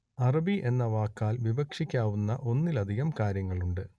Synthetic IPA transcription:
ɐrɐbiʔe̞nːɐʋaːkːaːlʋibɐkʂikʲːaːʋunːɐʔo̞nːilɐd̪ʱiɣɐmkaːɾjɐŋːɐɭuɳɖɨ

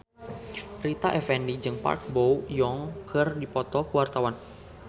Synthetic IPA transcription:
rit̪aʔɛfɛndid͡ʒɨŋpa̰rk̚bowjɔŋkʰərdipɔt̪ɔkəwart̪awan

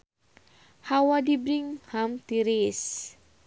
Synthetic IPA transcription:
hawadibɾiŋhamt̪iɾis

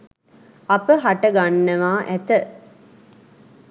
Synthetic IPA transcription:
ɐpəɦaʈɐɡanːɐʋaːʔæt̪ə

